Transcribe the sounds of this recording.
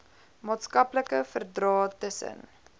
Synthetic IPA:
mɑːtskɐpləkəfərdrɑːtəsə̰n

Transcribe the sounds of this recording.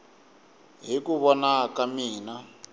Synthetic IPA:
ɦikuβɔnakamiːna

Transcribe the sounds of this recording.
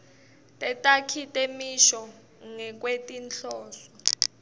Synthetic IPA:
tʼɛtʼakʰitʼemiʃɔ | ŋɛk̬ʼwetʼinɬɔːsɔ

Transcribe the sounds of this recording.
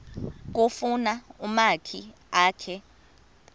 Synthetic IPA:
k̬ofunaumakʰi | aːkʰɛ

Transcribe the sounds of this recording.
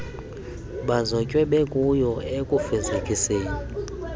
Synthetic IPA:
ɓazɔcʼwɛɓɛkʼujɔekʼufɛzakʼiseːni

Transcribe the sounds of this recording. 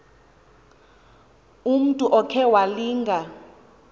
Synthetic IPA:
um̩tʼuʔɔkʰɛwaliːŋɡʱa

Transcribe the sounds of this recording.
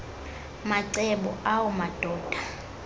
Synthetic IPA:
maǀɛɓɔ̰awɔmad̥ʱɔːd̥ʱa

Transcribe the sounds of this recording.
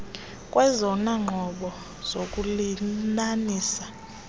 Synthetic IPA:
kʼwɛzɔnaŋ͡ǃʱɔɓɔ | z̥okʼulinaniːsḁ

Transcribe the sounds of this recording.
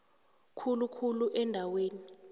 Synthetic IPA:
kʰulukʰuluʔɛndʱaweːni

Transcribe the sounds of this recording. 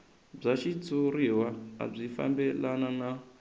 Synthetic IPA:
b͡ʐat͡ʃid͡zuɾiwaa̰b͡ʐifa̰mbelanana

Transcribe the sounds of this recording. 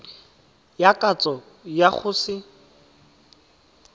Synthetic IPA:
jakʼat͡sʼɔ | jak͡xʰʊːsɪ

